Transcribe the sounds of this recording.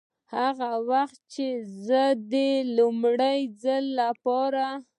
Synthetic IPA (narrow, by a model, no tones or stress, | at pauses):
haɣawaxt̪̚t͡ʃezəd̪əlʊmɽajd͡zalːapɑɾa